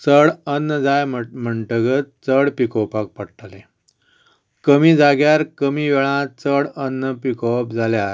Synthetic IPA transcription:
t͡səɽənːəd͡zajm̤əɳʈəɡət̪̚t͡səɽpikɔwpak̚pəɽʈale | kəmiːd͡zaɡjaɾkəmiːʋɛɭãt͡səɽənːəpikɔpd͡zaljaae

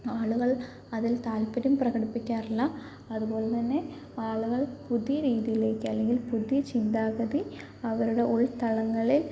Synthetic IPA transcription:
aːɭuɣɐɭ | ɐðilt̪aːlpɐɾumprɐɣɐɽipːikʲːaːrɐlːɐ | ɐðubo̞ːɭɐmt̪ɐnːe̞ | aːɭuɣɐɭpuðijɐɾiːðijile̞ːkʲːɨɐlːe̞ŋɡilpuðijɐt͡ɕind̪aːɣɐði | ɐʋɐɾuɽe̞ʔuɭt̪ɐɭɐŋːɐɭil

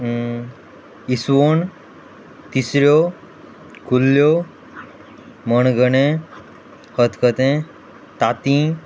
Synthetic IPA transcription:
isʋoɳ | t̪isɾjo | kulːjo | məɳɡəɽẽ | hət̪kət̪ẽ | t̪at̪ĩ

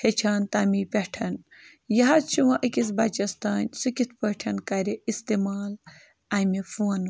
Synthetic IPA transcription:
het͡ʃʰaːnt̪ɐmipʲeʈʰɐn | jɐɦat͡ʃʰuʋɐʔəkʲis̬bɐt͡ʃɐst̪aːnʲsɨkʲit̪ʰpəʈʰɐnkɐɾeist̪emaːl | ɐmefun

